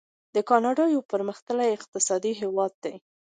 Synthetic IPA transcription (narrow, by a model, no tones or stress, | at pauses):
d̪əkɑnɑɖɑjopəɾməxt̪əlajɪq̚t̪ɪsɑd̪iɦewɑd̪̚ːaj